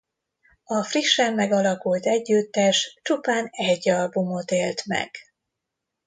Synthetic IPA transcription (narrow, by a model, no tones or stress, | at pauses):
ɒfriʃːɛmːɛɡɒlɒkult̪ɛɟːyt̪ːɛʃt͡ʃupaːnɛɟːɒlbumo̞t̪eːlt̪mɛ̰ɡ̥